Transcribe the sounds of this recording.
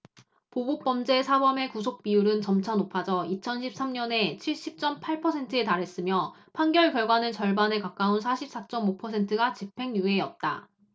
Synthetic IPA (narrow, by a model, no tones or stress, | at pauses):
pobok̚p͈ʌmd͡ʑe̞sʰabʌme̞kus̬ʰok̚p͈ijuɾɯnt͡ɕʌmt͡ɕʰʌnopʰad͡ʑʌit͡ɕʰʌnɕʰip̚s͈amɲʌne̞t͡ɕʰiɭɕ͈ip̚t͡ɕ͈ʌmpʰaɭpʰʌsʰe̞ntʰɯetaɾɦe̞s͈ɯmjʌpʰanɡjʌɭkjʌɭɡwanɯnt͡ɕʌɭbanekak͈aunsʰaɕʰip̚s͈at͡ɕ͈ʌmopʰʌsʰe̞ntʰɯɡat͡ɕipʰe̞ŋjue̞ʌt̚t͈a